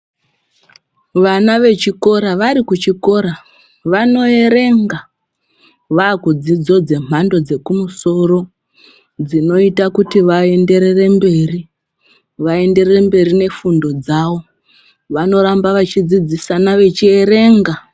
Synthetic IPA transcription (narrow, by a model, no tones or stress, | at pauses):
ʋanaʋe̞t͡ʃiko̞ɾaʋaɾikut͡ʃiko̞ɾa | ʋano̞e̞ɾe̞ŋɡa | ʋaːkud͡zid͡zo̞d͡ze̞m̤̥ando̞d͡ze̞kumuso̞ɾo̞ | d͡zino̞itakutiʋae̞nde̞ɾe̞re̞mbe̞ːri | ʋae̞nde̞re̞mbe̞rine̞fundo̞d͡zaʋo̞ | ʋano̞ɾambaʋat͡ʃid͡zid͡zisanaʋe̞t͡ʃie̞ɾe̞ːŋɡa